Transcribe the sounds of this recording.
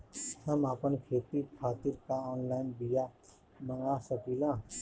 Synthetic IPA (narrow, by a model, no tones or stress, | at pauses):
həmaːpənkʰeːt̪ikʰaːt̪iɾkaɔːnlaːɪnbija | məŋɡasəkiːlãː